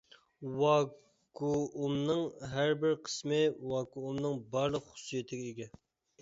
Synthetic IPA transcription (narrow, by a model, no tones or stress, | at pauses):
wɑ | kʰuʔumnɨŋɦæɾbɪɾqʰə̥smɪwɑkuumnɨŋbɑɾlˠəqχʊ̥sːijet̪ʰɪɡʲɛeɡʲɛ